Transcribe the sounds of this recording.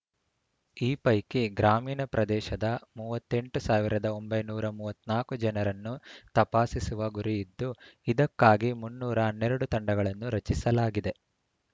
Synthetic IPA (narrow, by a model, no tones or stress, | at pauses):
iːpɐjkiɡɾaːmiːnɐpɾɐd̪ɛːʃɐd̪ɐmuːʋɐt̪ːe̞ɳʈusaːʋiɾɐd̪ɐo̞mbɐjnuːɾɐmuːʋɐt̪ːnaːkud͡ʒɛnɐɾɐnːut̪ɐpaːsisuʋɐɡuɾijid̪ːuid̪ɐkːaːɡimunːuːɾɐːnːɛɾɐɽut̪ɐɳɖɐɡɐɭɐnːuɾɐt͡ʃisɐlaːɡid̪e̞